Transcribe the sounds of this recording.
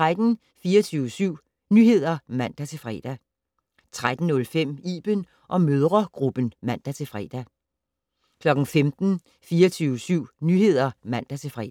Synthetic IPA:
t͡sʁad̥n̩ | fiːɐt͡sʰyːʊəsyʊ̰ | nyhe̝ð̞̰ˠɐmæn̰d̥æt͡sʰe̝fʁɛ̰ːd̥æ | t͡sʰʁad̥n̩nɔ̽lfem̰iːb̥ən | ʔɒ̽møð̞ˠʁɐɡ̥ʁub̥ən̩mæn̰d̥æt͡sʰe̝fʁɛ̰ːd̥æ | kʰlɒ̽ɡ̥n̩femd̥n̩ | fiːɐt͡sʰyːʊəsyʊ̰nyhe̝ð̞̰ˠɐmæn̰d̥æt͡sʰe̝fʁɛ̰

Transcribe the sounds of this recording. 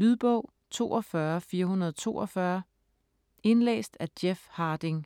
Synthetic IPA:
lyðˠb̥ɔʊ̰ | t͡sʰo̝ːɒ̽fɶɐfiːɐɦunɐð̞ˠt͡sʰo̝̰ːɒfɶɐ | e̝nlḛːsd̥æd̥jefhɑ̈ːd̥e̝ŋ

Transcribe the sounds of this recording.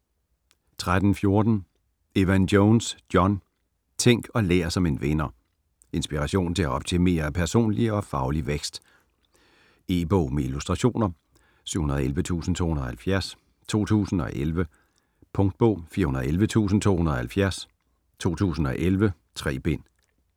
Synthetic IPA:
t͡sʰʁad̥n̩fjo̝ɐd̥n̩ | eʋænd̥joʊnsd̥jɒ̽n | t͡sʰeŋ̰ɡ̥ɒ̽lḛːɐsɒ̽me̝nʋenɐ | e̝nsb̥iʁɑɕo̝̰ːnt͡sʰe̝æɒ̽b̥̚t͡sʰe̝me̝̰ːɐpʰæɐso̝̰ːnliɒ̽fɑ̈ʊliʋeɡ̥sd̥ | e̝̰ːb̥ɔʊ̰meilusd̥ʁɑ̈ɕo̝̰ːnɐ | syʊ̰hunɐðˠelʋət͡sʰṵːsn̩t͡sʰo̝̰hunɐðˠhælfjæɐ̰s | t͡sʰo̝̰ːt͡sʰṵːsn̩ɒ̽ʔelʋə | pʰɔ̽ŋd̥̚b̥ɔ̽ʊ̰fiːɐhunɐðˠelʋət͡sʰṵːs̬n̩t͡sʰo̝̰ːhunɐɒ̽hælfjæɐs | t͡sʰo̝̰ːt͡sʰṵːs̬n̩ɒ̽ʔelʋə | t͡sʰʁɛ̰ːb̥e̝n̰

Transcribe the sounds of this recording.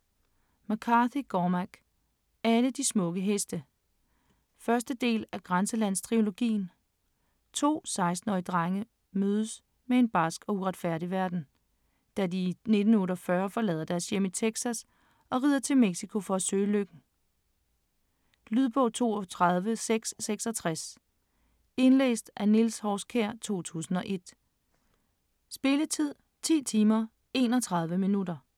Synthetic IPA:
mækʰɑ̈θiɡ̥ɒːmæɡ̥ | æləd̥ismɔ̽ɡ̥əɦesd̥ə | fɶɐsd̥əd̥e̝̰ːlæɡ̥ʁansəlæn̰st͡sʰʁio̝lo̝ɡ̥ḭːn | t͡sʰo̝̰ːsɑ̈ɪsd̥n̩ɒid̥ʁɑŋə | møːð̞ˠəs | mee̝nb̥ɑsɡ̥ɒ̽uʁɑ̈d̥fæɐ̰ɾiʋæɐd̥n̩ | d̥ædine̝d̥n̩ɔːɾɒfɶɐfɒ̽lɛ̰ːðˠɐd̥æɐsjem̰əit͡sʰeɡ̥sæs | ɒ̽ʁiːðˠɐt͡sʰe̝lmeɡ̥sikʰo̝fɒ̽æsø̰ːløɡ̥n̩ | lyð̞ˠb̥ɔ̽ːt͡sʰo̝̰ːt͡sʰʁɑð̞ˠʋəseɡ̥sːeɡ̥sɒ̽t͡sʰʁas | e̝nlḛːsd̥ʔænilshɒskʰæɐ̰t͡sʰo̝̰ːt͡sʰṵːsn̩ɒ̽ʔe̝d̥ | sb̥e̝lət͡sʰið̞̰ˠ | t͡sʰḭːt͡sʰiːmɐ | e̝̰ːnɒ̽t͡sʰʁɑ̈ð̞ˠʋəminudɐ

